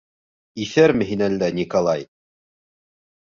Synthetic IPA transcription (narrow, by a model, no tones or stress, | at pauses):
iθæɾmɘ̆ɦinænd̪ænʲikolˠɑj